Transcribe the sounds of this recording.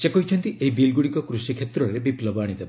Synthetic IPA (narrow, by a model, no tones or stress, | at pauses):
sekɔɦit͡ʃʰɔnt̪iʔeibilɡuɽikɔkɾusikʰet̪ɾɔɾebiplɔbaɽ̃id̪eb